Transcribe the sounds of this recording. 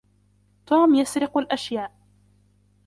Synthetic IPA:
t̪uːmjasɾɪqalʔaʃjaːʔ

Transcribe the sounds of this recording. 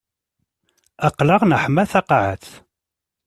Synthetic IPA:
æqːləʁnəħmæθɑqɑʕəθ

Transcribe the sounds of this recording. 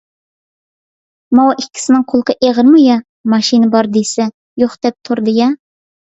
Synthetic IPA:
mɑwʔɪkʲːɪ̥sɪnɪŋqʰolˠqʰəʔeʁəɾmujɑ | mɑʃinɨbɑɾd̪esɛ | joχd̪̥ɛp̚t̪ʰʊɾd̪ɨjɑ

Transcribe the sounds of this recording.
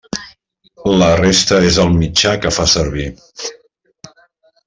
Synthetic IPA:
lərest̪əezəlˠmid͡ʒakəfasəɾβi

